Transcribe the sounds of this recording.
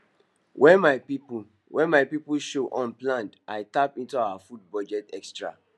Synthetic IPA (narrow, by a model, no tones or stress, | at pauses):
wʔɛ̃nmaɪpip | wʔɛ̃nmaɪpipulʃoʔɔ̃nplãndʔaɪtapĩntuawafud̚bɔd͡ʒɛtɛkstɹa̰